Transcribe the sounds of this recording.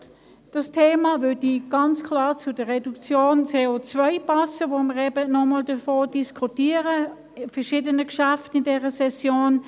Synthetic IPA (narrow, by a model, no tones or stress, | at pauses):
d̥ɑstʰeːmavʏɐdiɡ̥ɑnt͡skʰlɑːʁt͡sʊdəʁɛdukt͡sjoːnt͡seːot͡svœɪpɑsəvoːməʁɛbənɔmɔldəfoːd̥iskʰutiːəʁə | fɛɐʃiːdənəkʃaftɪndɛːʁəsɛsjoːn